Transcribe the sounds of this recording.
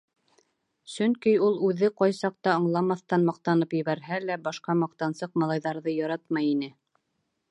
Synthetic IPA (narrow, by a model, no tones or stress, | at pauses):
sɵ̆ŋkijulˠʉðɘqɑjsɑq̚t̪ɑŏɴlˠɑmɑθt̪ɑnmɑqt̪ɑnɤpjɘ̆βæɾɦælæbɑʃqɑmɑq̚t̪ɑnsɤq̚mɑlˠɑjðɑɾðɤjɑɾɑt̪mɑjinɘ